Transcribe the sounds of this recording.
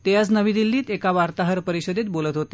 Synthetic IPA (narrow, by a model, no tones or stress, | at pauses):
t̪ejat͡snəʋid̪ilːiːt̪ekaʋaɾt̪aɦəɾpəɾiɕəd̪et̪̚bolət̪ɦot̪e